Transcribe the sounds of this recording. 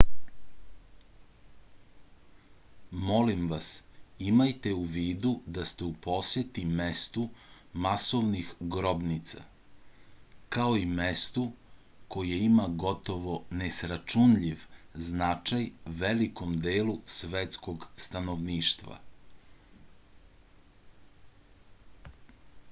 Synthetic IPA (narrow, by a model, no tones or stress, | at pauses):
mo̞limʋasimajt̪euʋiːd̪ud̪ast̪eupo̞sjet̪imest̪u | maso̞ʋnixɡɾo̞bnit̪sa̰ | kaoimest̪u | ko̞jeimaɡo̞t̪o̞ʋo̞nesɾat͡ʃunʎiʋznat͡ʃajʋeliko̞md̪eːlusʋet̪sko̞ɡst̪anoʋniːʃt̪ʋa̰